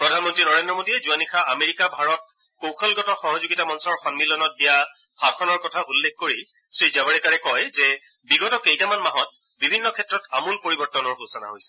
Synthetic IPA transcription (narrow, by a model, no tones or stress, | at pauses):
pɹɔdʱanmɔntɹinɔɹendɹɔmodiɛzuanixaameɹikabʱaɹɔt̚ | kowxʰɔlɡɔtɔxɔɦɔzuɡitamɔnsɔɹxɔnmilɔnɔt̚dija | bʱab̚kʰɔnɔɹkɔtʰaʔulːekʰkoɹi | sɹizabaɹɛkaɹɛkɔjzɛ | biɡɔtɔkejtamanmaɦɔt̚ | bibʱinːɔkʰɛtɹɔtamulpoɹibɔɹtɔnɔɹɦusɔna̰ɦojsɛ̥